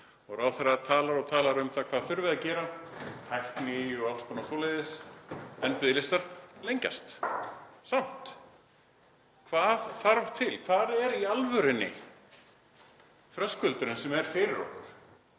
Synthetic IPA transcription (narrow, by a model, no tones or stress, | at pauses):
ɔɣɾaːwθɛrat̪ʰaːlaɾɔt̪ʰaːlaɾʏmθakʰvaːðθʏɾvɪðacɛːɾaajhknɪʏawkspɔnasɔːlɛðɪsɛnpɪðɪlɪst̪aɾlejɲca̰st̪ | sam̥t̪ | kʰv̥aːðθaɾv̥t̪ʰɪlkʰvaːðɛɾialvœɾɪnːɪ̰ | θɾœskʏlt̪ʏɾʏnsɛmɛɾ̥fɪɾɪɾɔ̰kaɾ̥